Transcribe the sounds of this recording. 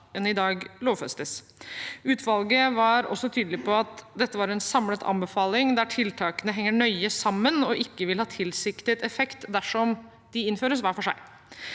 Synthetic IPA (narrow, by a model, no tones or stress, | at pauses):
ɛnɪd̪ɑːɡloːʋfɛst̪əs | ʉːt̪ʰʋɑlɡəʋɑɾɔ̰sːɔt̪ʰyːd̪əlɪpʰɔɑt̪d̪ɛt̪ːəʋɑːɾɛnsɑmlət̪ʰɑ̰mbəfɑːlɪŋd̪æʈʰɪlt̪ʰɑːkənəɦɛŋːəɳœʏəsɑmːənɔʔɪkːəʋɪlhɑːt̪ʰɪlsɪkt̪ɪt̪ɛfɛkt̪d̪æʂɔm | d̪̥ɪɪnføːɾəs̬ʋæːfɔʂæ̰ɪ